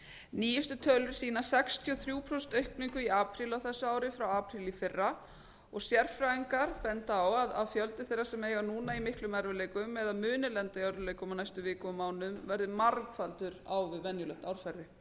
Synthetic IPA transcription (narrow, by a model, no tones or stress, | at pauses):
niːjʏst̪ʏt̪ʰœːlʏɾ̥siːnasɛkst̪ʰjɔθɾjuːpʰɾɔst̪œɥhkniŋkʏiaːpʰɾiːlawθɛsːʏaːwɾɪfɾawaːpʰɾilifɪrːa | ɔɣsjɛr̥fɾaːiŋkaɾpɛnt̪awaðaðfjœlt̪ɪθejɾːasɛmejɣanuːnaimɪhklʏmɛɾvʏlejkʏmɛðamʏːnɪlɛnt̪ajawɾðʏlejkʏmawnajst̪ʏvɪːkʏmaːwnʏmvɛɾðɪmaɾkfalt̪ʏɾa̰wðʏvɛnjʏlœht̪awɾfɛɾðʏ